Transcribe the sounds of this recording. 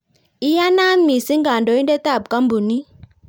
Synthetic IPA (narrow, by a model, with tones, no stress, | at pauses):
i˦ja˦na˦m˦mi˨si˦ŋɡa˨ndɔ˨˦i˦ndɛ˦ta˦˨b̚ka˦mbu˨ni˦